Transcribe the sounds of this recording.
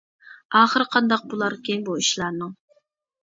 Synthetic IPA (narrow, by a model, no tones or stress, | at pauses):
ɑːχəɾqʰɑnd̪ɑq̚bulˠɑɾkʲenbuiʃlˠɑɾnɨŋ